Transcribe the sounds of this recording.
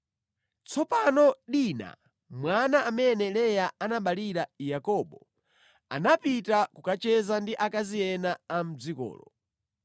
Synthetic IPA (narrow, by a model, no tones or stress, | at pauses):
t͡sʰɔpanɔɗina̰ | mwanaːmɛnɛlɛjaanaɓaliɾajakɔɓɔ | a̰napitakukat͡ʃɛzandiʔakazijɛnaːm̩d͡zikɔ̰ːlɔ